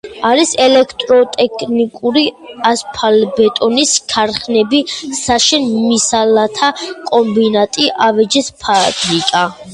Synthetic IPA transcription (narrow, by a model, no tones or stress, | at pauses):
aɾisɛlɛkʰt̪ʼɾɔt̪ʼɛkʰnikʼuɾiaspʰalbɛt̪ʼɔniskʰaɾχnɛbisaʃɛnmisalat̪ʰakʼɔmbinat̪ʼiʔavɛd͡ʒɛspʰabɾikʼa